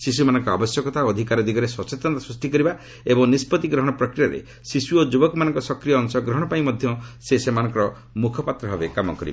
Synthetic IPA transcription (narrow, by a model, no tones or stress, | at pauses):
sisumanɔ̃ŋkɔa̰bɔsjɔkɔt̪ʰaɔd̪ʱikaɾɔd̪iɡɔɾeswɔt͡ʃet̪nt̪asɾusʈikɔɾiba | ebɔŋnispɔt̪iɡɾɔɦɔɽ̃ɔpɾɔkɾiaɾḛ | sisuod͡ʒubɔkmanɔŋkɔsɔkɾijɔːŋsɔɡɾɔɦɽ̃ɔpaĩmɔd̪ʱjɔsesemanɔ̃ŋkɔɾɔ | mukʰɔpat̪ɾɔɦɔbekamɔkɔɾiba